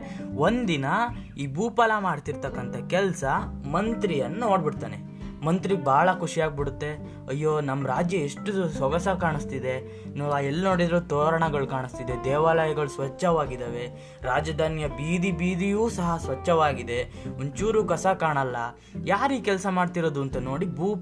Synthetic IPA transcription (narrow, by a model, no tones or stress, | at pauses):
o̞nd̪inɐ | iːbuːpɐlamaːɽt̪iɾt̪ɐkːɐnt̪ɐkɛlsɐmɐnt̪ɾijɐnːunoːɖbiɽt̪aːne̞̰ | mɐnt̪ɾiɡebʱaːɭɐkʰuʂijaːɡ̚biɽut̪ːe̞ | ɐjːoːnɐmɾaːd͡ʒjɐeʂʈusʋɐɡɐsɐkaːɳist̪id̪e̞ | nuːaːɛlːnoːɽid̪ɾuːt̪oːɾɐɳɐɡɐɭukaːɳist̪id̪ed̪ɛːʋaːlɐjɐɡɐɭusʋɐt͡ʃːɐʋaːɡid̪ɐːʋe̞ | ɾaːd͡ʒɐd̪ʱaːnjɐbiːd̪ibiːd̪ijuːsɐɦɐsʋɐt͡ʃːɐʋaːɡid̪e̞ | mɐɲt͡ʃuːɾuːkɐsɐkaːɳɐlːɐ | jaːɾiːkɛlsɐmaːɖt̪iɾoːd̪uɐnt̪ɐno̞ːɽibuːp